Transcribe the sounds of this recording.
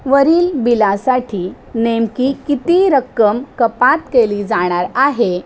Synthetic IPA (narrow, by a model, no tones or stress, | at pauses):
ʋəɾiːlbilasaʈʰiː | nemkikit̪iɾəkːəmkəpat̪keliːd͡zaɽ̃aɾaɦe